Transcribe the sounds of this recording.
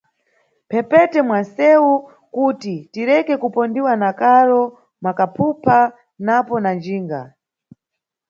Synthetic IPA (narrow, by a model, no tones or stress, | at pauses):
pʰɛpɛtɛmwansɛu | kutitiɾɛkɛkupɔndiwanakaɾɔ | makapʰupʰa | napɔnand͡ʒiːŋɡa̰